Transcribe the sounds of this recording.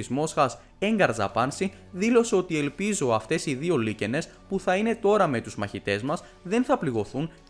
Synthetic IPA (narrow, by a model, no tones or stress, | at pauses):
izmo̞sxɐs | e̞ŋɡɐɾzɐ̰pɐnsi | ðilo̞seo̞t̪ie̞lpizo̞ɐft̪e̞siðio̞lice̞ne̞s | puθɐine̞t̪o̞ɾɐme̞t̪uzmɐçit̪e̞zmɐs | ðe̞nθɐpliɣo̞θun